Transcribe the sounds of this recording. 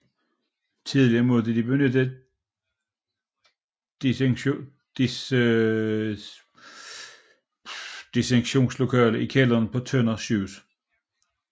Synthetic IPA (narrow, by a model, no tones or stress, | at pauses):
t͡sʰiðˠliɐmo̝ðˠdəd̥ib̥eønəd̥ə | d̥i | d̥iseŋɕo̝̰ːnslo̝kʰɛ̰ːləʔikʰɛlɐnpʰɒ̽t͡sʰønɐɕuːs